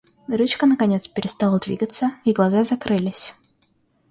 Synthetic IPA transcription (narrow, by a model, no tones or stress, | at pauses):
ɾut͡ɕkənəkɐnʲet̪spʲɪɾʲɪst̪alˠəd̪vʲḭɡət̪səiɡlˠɐzazɐkɾɨlʲɪsʲ